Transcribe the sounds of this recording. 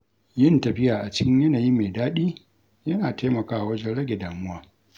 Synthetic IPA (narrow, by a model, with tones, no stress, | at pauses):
jɪ˦ntɐ˨ɸɪ˦jaː˨ʔa˨t͡ʃɪ˦kʲɪ˦ɲjɐ˦naː˨ji˦meː˨daː˦ɗiː˦ | jɐ˦naː˨teː˦mɐ˨kaː˦ʔa˨wɐ˦d͡ʒɛ˦nɽɐ˦ɡʲe˨daː˨mʊ˦waː˦